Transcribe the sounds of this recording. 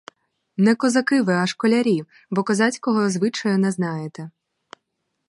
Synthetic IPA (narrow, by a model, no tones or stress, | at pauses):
nɛkɔzakɨvɛɐʂkɔlʲaɾʲi | bɔkazat͡sʲkɔɣɔzvɨt͡ʂɐjunɛznajɛt̪ɛ